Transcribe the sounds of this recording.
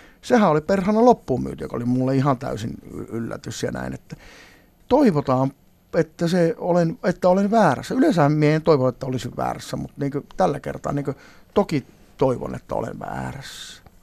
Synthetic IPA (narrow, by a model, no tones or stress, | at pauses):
sehæoliperhɑnːɑlopːuːmmy̰ːt̪yø̰ko̰limulːeihɑnt̪æ̰ysin̰ylːæ̰t̪ysjɑ̰næ̰inet̪ːæ | t̪oiʋot̪ɑːm | et̪ːæseolenet̪ːæolenʋæːræ̰sːæylensæhæmmieent̪oiʋonet̪ːæolisiʋʋæ̰ːræsːæmut̪niːŋkøt̪ælːækḛrt̪ɑ̰ːniːŋkø | t̪oki | t̪oiʋo̰nḛt̪ːæ̰o̰lḛnʋæ̰ːræsːæ̥